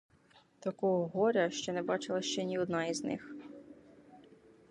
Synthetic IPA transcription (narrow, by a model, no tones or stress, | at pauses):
t̪ɐkɔɦɔɦɔɾʲɐʃt͡ʃɔnɛbɑt͡ʃɪlˠɐʃt͡ʃɛnʲiɔd̪nɑiznɪ̰x